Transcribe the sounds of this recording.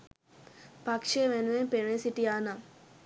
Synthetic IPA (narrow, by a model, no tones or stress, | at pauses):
pɐkʂeʋenʋempenesiʈiaːnam